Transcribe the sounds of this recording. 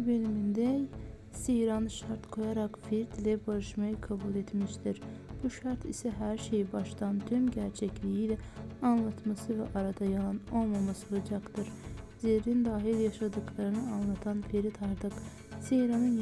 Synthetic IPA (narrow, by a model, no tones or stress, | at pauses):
bølimind̪ɛ | sejɾɑnɯʃɑɾt̪kʰo̞jɑɾɑqfiɾd̪lɛbɑɾɯʃmɑjɯkʰɑbulˠet̪miʃt̪iɾb̥uʃɑɾt̪ʰisɛɦæɾʃejibɑʃt̪ɑnt̪ʰymɟæɾt͡ʃʰɛclijilɛɑnlˠɑt̪mɑsɯvɛ̰ʔɑɾɑd̪ɑjɑlˠɑno̞lˠmɑmɑsolˠɑd͡ʒɑqt̪ɯɾ | zeɾind̪ɑːɦiljɑʃɑd̪ɯklˠɑɾɯnɯɑnlˠɑt̪ʰɑnfeɾit̪ʰɑɾd̪ɯq | sejɾɑnɯn